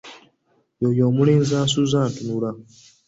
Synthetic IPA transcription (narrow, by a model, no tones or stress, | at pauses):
jojoːmuleːnzaːnsuzaːntunula